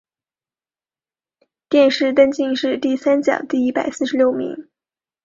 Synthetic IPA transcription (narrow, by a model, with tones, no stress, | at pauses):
t̪jɛ˥˧nʂɻ̩˥˩t̪ə˥nt͡ɕi˥˧ŋʂɻ̩˥˧t̪i˥˩sa˥nt͡ɕjɑ̰˨˩ʊt̪i˥˩i˥pa˨˩ɪsɹ̩˥˩ʂɻ̩˧ljo˥˩ʊmḭ˧˥ŋ